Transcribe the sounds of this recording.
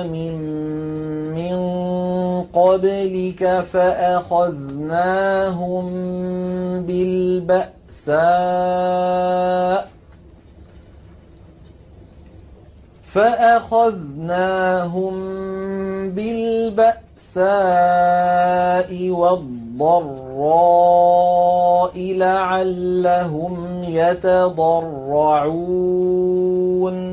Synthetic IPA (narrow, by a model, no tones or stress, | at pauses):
mɪmː | ɪn | qɑblɪkafaʔaxaðnaːɦʊm | bɪlbaʔ | saː | faʔaxaðnaːɦʊm | bɪlbaʔ | saː | ʔɪwɑd̪ˤːɑrːɑ | ʔɪlaʕalːaɦʊmjat̪ad̪ˤɑrːɑʕu | n